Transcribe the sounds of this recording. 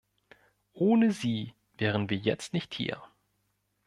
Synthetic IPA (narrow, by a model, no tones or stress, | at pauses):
ʔoːnəziː | vɛːʁ̞ənviːɐjɛt͡stnɪçthḭːɐ